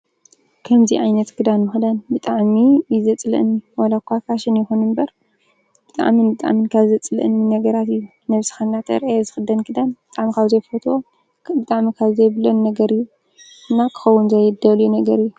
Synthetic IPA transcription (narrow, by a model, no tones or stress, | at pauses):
kʰɐmziʕajnɐt̪kʰɨd̪anmɨxd̪anbɨt̪ʼaʕmijizɐt͡sʼlɨ̰ʔɨnːiwalakʷʰːakʰaʃɪnjɪxunɨnbɐɾ | b̥ɨt̪ʼa̰ʕminbɨt̪ʼa̰ʕmɨnkʰaβzɐt͡sʼɨlɨ̰ʔɨnːinɐɡɐɾat̪ɨjːu | nɐβsi̥xɐnːat̪ʰɐ̰ɾʔajzɨxɨd̪ɐnkʰɨd̪anbɨt̪ʼaʕmikʰaβzɐjfot̪ʰwo | bɨt̪ʼaʕmikʰaβzɐjβɨlonːɐɡɐɾɨjːu | ɨnːakʰɨ̥xɐwːʊnzɐjd̪ɐljunɐɡɐɾɨjːu